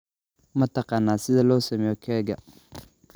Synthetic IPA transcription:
mɐt̪ɐqɑnːaːsɪðalɔsɐmɛɔkʰɛɡa

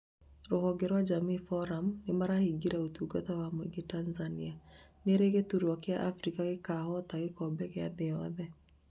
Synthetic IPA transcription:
ɾohɔɡeɾwad͡ʒamifɔɾamnemaɾahiɡiɾaotuɡɔtawamweɡetanzanianeɾeɣetuɾwɔkeaʔafɾikaɣekahɔtaɣekɔbɛɣea̰ðeɔðɛ

